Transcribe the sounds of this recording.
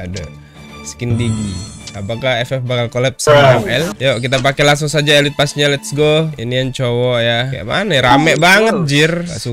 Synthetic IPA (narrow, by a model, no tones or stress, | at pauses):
ada | skɪnd̪iɡiapakaɛfɛfbakalkolɛp̚saŋɛljoʔkit̪ap̬akɛlaŋs̬ʊŋsad͡ʒaelit̪̚pasɲalɛt̪sɡoinijaŋt͡ʃowɔjakaja̰ʔma̰naɾamɛʔbaŋət̪̚d͡ʒɪra̰su